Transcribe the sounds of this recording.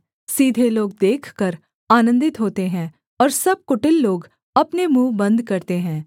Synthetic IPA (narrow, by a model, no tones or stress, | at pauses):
siːd̪ʱeloːɡ̚d̪eːkʰkəɾ | aːnə̃nd̪ɪt̪ɦoːt̪eɦɛ̃ː | ɔːɾsɐb̚kʊʈɪlːoːɡ | ɐpnemuːbə̃nd̪kɐɾt̪eɦɛ̃ː